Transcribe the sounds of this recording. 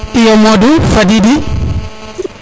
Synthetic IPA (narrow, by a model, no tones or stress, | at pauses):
ʔijɔmɔdufadidi